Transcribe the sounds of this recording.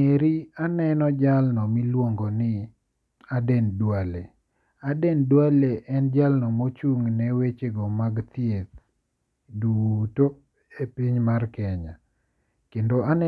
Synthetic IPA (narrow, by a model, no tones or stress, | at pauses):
eɾianɛnɔd͡ʒalnɔmilwoŋɡɔnɪ | adɛndwale | adɛndwaleʔɛnd͡ʒalnɔmot͡ʃuŋnɛwet͡ʃeɡɔmaɡt̪jet̪ | duto | epiɲmarkɛɲa | kendoanɛ